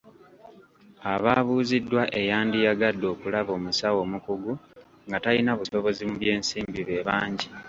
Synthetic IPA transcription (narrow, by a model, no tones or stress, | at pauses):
aβaːβuːzidːwaʔe̞jaːndijaɡadːo̞ːkulaβo̞ːmusawo̞ːmukuɡu | ŋɡatalinaβuso̞βo̞zimuβje̞ːnsiːmbiβe̞βaːɲɟi